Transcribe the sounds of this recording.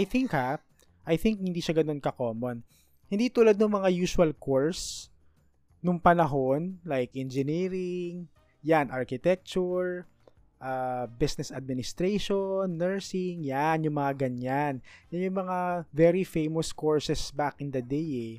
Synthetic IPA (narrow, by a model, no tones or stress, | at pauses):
ʔajθɪŋkha | ʔɐjθɪŋk̚hɪnd̪iːʃɐɡɐno̞nkɐko̞ːmon | hɪnd̪iːt̪uːlad̪nʊŋmɐŋajuːswɐlkoɹs | nʊŋpɐnɐɦo̞nlajkʔɛnd͡ʒɛniːɾɪŋ | janʔaɹkɪt̪ɛk̚t͡ʃʊɹ | ʔabɪsnɛsɐd̪̚mɪnɪst̪ɾeʃonːɛɹsɪŋjanjʊŋmɐŋaɡɐɲanjanjʊŋmɐŋavɛɹifejmoskoɹsɛsbakʔɪnd̪ɐd̪ejɛ